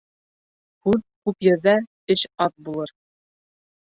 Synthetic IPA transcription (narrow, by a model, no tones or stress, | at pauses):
hʉðkʉpjɤ̆ɾðæ | ɘɕɑt̪̚bulˠɤɾ